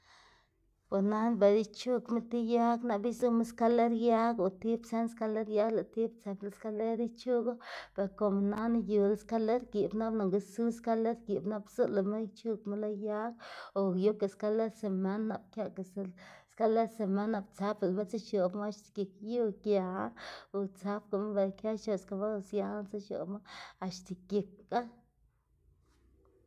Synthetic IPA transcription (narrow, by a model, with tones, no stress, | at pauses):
po˨sna˦nbe˨d̪i˦t͡ʃu˦˧kme˦t̪i˦ja˦ɡna˧bi˦zu˦me˦ska˦le˦ɾja˦ɡo˨t̪i˦bse˦nska˦le˦ɾja˦ɡla˨t̪i˦bt͡sa˧bla˧˨ska˦le˦ɾi˦t͡ʃu˦ɡa˦pe˨ɾko˨m˨na˦na˦ju˨la˦ska˦le˦ɾɡi˨bna˦bna˨ŋɡe˧su˦ska˦le˦ɾɡi˨bna˦bsu˦la˨me˦jt͡ʃu˦kme˦la˦ja˦ɡo˨ju˦ka˨ska˦le˦d̪se˨ma˦nːa˨b̚kʲja˦ka˨sska˦le˦d̪se˨ma˦nːa˨bt͡sa˦pa˨ma˦t͡sa˦ʃo˨bma˦a˧ʃt̪e̥˨kʲe˨kju˦kja˨a˦o˨t͡sa˦p̚ko˨ma˦be˨kʲja˦ʃo˨ska˧ma˦˧˨sja˧˦nt͡sa˦ʃo̰˨bma˦a˧ʃt̪e˨kje˨k̚ːa˦